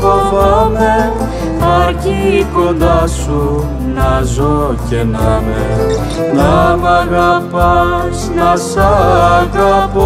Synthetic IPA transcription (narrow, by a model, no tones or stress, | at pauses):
kopɐme | ɐcikond̪ɐsu | nɐzocenɐme | nɐmɐɣɐpɐsnɐsɐɣɐpo